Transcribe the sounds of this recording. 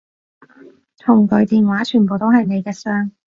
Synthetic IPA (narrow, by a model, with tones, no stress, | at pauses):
t̪ʰʊ˨˩ŋkɵ˨˧ɥt̪iː˨˧nwaː˨˥t͡ʃʰyː˨˩npo˨wt̪o˥whɐ˨jne˨˧jkɛː˧sœː˥ŋ